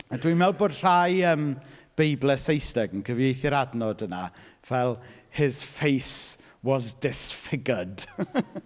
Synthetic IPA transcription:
adwimɛlˠboːd̥r̥ajəmb̥ejblˠɛsejstɛɡənkʰəvjejθjəɾadnɔdənavɛlˠhɪz̥fejs | wɔzdɪsfɪɡəd̥

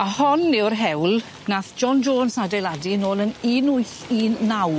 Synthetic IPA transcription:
ahɔnːɪwrɦɛwlˠ | naθd͡ʒɔnd͡ʒoːnsadɛjladinoːlˠəniːnʊɨɬiːnːaw

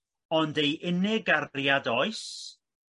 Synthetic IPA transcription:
ɔndejʔɪnɪɡajadɔɨs

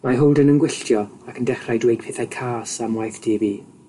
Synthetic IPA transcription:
maɦʊwlˠdənənɡwɪɬtʰjɔakʰəndɛχrajdwejd̥̚pʰɪθajkʰaːsamwajθd̥eːbi

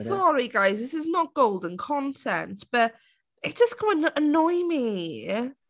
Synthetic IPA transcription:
θɔɹiɡaɪzðɪsɪznəʔ̚ɡ̥oʊlˠdə̃nkʰɔ̃ntʰɛ̰̃nʔb̥əʔ | ɪtsʒ̥əsɡʰəəənɔɪmi

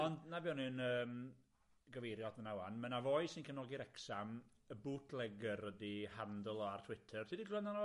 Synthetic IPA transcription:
ɔndnabiɔnɨnəːm | ɡəvejɾjɔdmənawanmənavojsɪnkʰənɔɡiɾɛksam | əbuːtʰlˠɛɡərədihandəlˠɔartʰwɪtʰərtʰidiɡlˠənanɔ

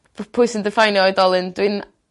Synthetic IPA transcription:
pʰʊɨsəndəfajnjɔɨdɔlˠɨndwɨn

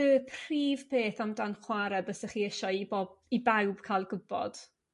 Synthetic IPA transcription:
əpʰriːvpʰeːθamdanχwaɾɛbəsəχiːɪʃɔibɔibawb̥kʰaːlˠɡʊbɔ̰d̥

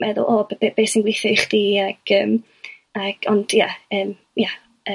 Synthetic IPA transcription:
mɛðʊ̰lˠobbebeːsɪnɡwɪθɪjχd̥iaɡ̥əːm | aɡ̥ɔnd̥jaəːm | ja | ə

